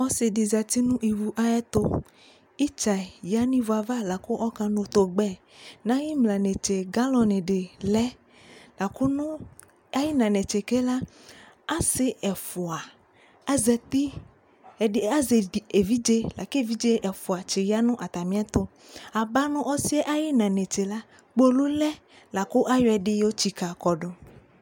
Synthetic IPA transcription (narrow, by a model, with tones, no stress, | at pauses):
ɔ˦sɪ˨di˨za˨t̪i˦nũ˦ʔi˨wu˨ʔa˦jɛ˦t̪o˦ | i˦t͡ʃa˨ja˦nĩ˦vo˨a˨va˦la˨ko˦ʔɔ˦kã˦nõ˨t̪o˨ɡ͡bɛ˦ | nã˦ji˦mlã˨ne˨t͡ʃe˨ɡa˦lɔ˨nẽ˨ɖe˨lɛ˦ | la˨ko˦nʊ̃˦ | a˦ji˦nã˨ne˨t͡ʃe˨ke˦la˦ | a˦sɪ˦ɛ˨fu˨a˨˦ | zɛ˨t̪i˦˨ | a˦ze˨e˨vi˦d͡ʒe˦la˨ke˦˨vi˦d͡ʒe˦ʔɛ˨fu˨a˨t͡ʃe˨ja˦nũ˦ʔa˨t̪a˨mĩ˦a˦t̪o˦ | a˨ba˦nũ˦ʔɔ˦si˦ɛ˦ʔa˦ji˦nã˨ne˨t͡ʃe˨la˦ | k͡po˦lu˦lɛ˦ | la˨ku˦ʔa˦jɔ˨ɛ˨ɖɪ˦jo˦t͡ɕi˨ka˨kɔ˨ɖɔ˨